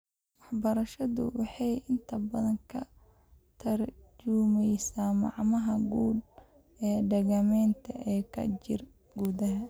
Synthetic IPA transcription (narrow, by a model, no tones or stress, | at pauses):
wɑħbɐɾɐʃɐðʊ̰wɑħɑjɪnt̪ʰɐbɐðɐŋkʰɐ | t̪ʰɐrd͡ʒumɛjsaːmɑ̰ʕmɐɦɐɡuːd̪̚ | ɛːɖɛɣɐmɛːnt̪ʰɐ̰ʔɛːkʰɐ̰t͡ʃɪ̰r | ɡuːðɐɦɐ